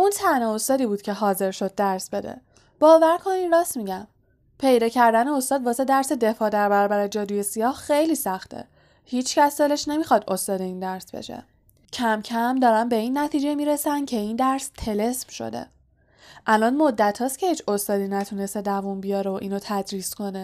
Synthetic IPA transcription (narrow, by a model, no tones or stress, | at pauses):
unt̪ʰæneost̪ɒːd̪iːbuːd̪̚cʰe̞ɦɒːze̞ɾʃo̞d̪̚ːæɾsbe̞d̪ḛ | b̥ɒːvæɾkʰo̞ninrɒːsmiɟæm | pʰe̞jd̪ɒːcʰæɾd̪æneo̞st̪ɒːd̪̚bɒːse̞d̪æɾse̞d̪e̞fɒːd̪æɾbæɾɒːbæɾe̞d͡ʒɒːd̪uje̞sijɒːhxejliːsæxt̪ʰḛ | hiːt͡ʃʰcæsd̪ele̞ʃne̞mixɒd̪o̞st̪ɒːd̪e̞iːnd̪æɾsbḛʃḛ | cʰæmcʰæmd̪ɒːɾænbe̞iːnːæt̪ʰiːd͡ʒemiːɾesæncʰe̞ind̪æɾst̪ʰe̞le̞sm̥ʃo̞̰d̪e̞̰ | ʔælɒnmod̪ːæt̪ʰːɒːscʰe̞hiːt͡ʃʰo̞st̪ɒːd̪inæt̪ʰune̞st̪ed̪ævunbijɒːɾeoʔiːnot̪ʰæd̪ɾiːsko̞ne